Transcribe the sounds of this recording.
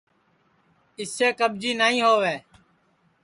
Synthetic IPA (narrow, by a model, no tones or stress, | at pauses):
ɪseːkəɓ̚d͡ʒiːnaːĩːɦoːʋeː